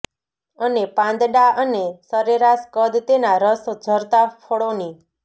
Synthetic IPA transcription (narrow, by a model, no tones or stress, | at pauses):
ənepãnd̪ɖaənesəɾeɾaskəd̪t̪enaɾəsd͡ʒʱəɾt̪afʰoɽoni